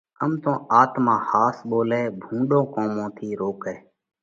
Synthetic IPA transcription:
əmt̪õːʔaːt̪mãːhaːsɓoːlɛːbʱũːɖõːkoːmõːt̪ʰiːɾoːkɛː

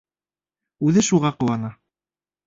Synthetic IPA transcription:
ʉðɘʃuʁɑqɤ̆wɑnɑ

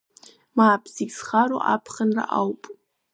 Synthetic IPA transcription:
maːbʰziɡʲsχaɾo̰ʔapʰχənra̰ʔawpʼ

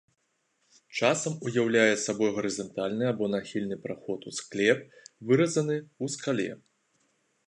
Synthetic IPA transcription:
t͡ʂasɐmujawlʲajɛsabɔjɣɐɾɨzɐnt̪alʲnɨabɔnaxʲilʲnɨpɾaxɔt̪usklʲɛp̚ | vɨɾɐzɐnɨuskalʲɛ̰

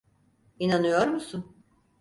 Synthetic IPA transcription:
inanɯjo̞ɾmusun

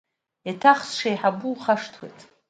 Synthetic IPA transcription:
jatʰaχsʂajħabuχaʂtʰwḛjtʼ

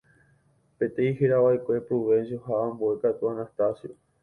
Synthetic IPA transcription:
pẽt̪eiheɾaʋaekʷe̞pɾuβẽnsjoɦaãmboe̞kat̪uanast̪asjo

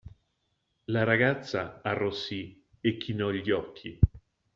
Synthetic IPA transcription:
laɾaɡat̪sːaːrːɔsːi | ekʰːinɔʎːɔkʰːi

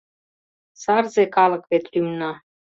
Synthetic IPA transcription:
sɑrzekɑlɤ̆kβet̪lymnɑ

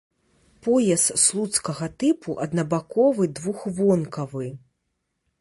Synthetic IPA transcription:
pɔjɛst̪slˠut̪skɐɣɐt̪ɨpʰuʔɐd̪nɐbakɔvɨd̪vuxvɔnkɐvɨ

